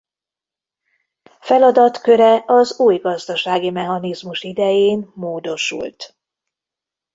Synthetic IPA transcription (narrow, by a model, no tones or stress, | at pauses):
fɛlɒd̪ɒt̪kø̞ɾɛɒzuːjɡɒzd̪ɒʃaːɡimɛɦɒnizmuʃid̪ɛjeːnmoːd̪o̞ʃṵlt̪